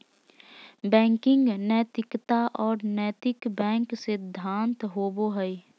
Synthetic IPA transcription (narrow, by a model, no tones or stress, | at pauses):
bɛ̃ːŋkɪ̃ŋɡnəːt̪ɪkt̪aʔɔːɾnəːt̪ɪkbɛ̃ːŋksɪd̪ʱːãːnt̪ɦoːboɦəi